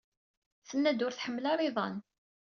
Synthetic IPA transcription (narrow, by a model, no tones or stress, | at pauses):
θənːæd̪ʊɾθħəmːlɑɾˤeðˤɑ̰n